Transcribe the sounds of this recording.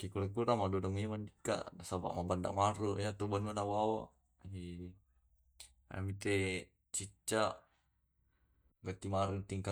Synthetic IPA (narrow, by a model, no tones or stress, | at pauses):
kikulekuɾamadudɔŋimandika̰ʔasaba̰ʔmabanda̰ʔmaɾujat̪ubanmanawawa̰ʔ | i | a̰mit̪e | t͡ʃit͡ʃːaʔ | ɡat̪imaɾut̪iŋka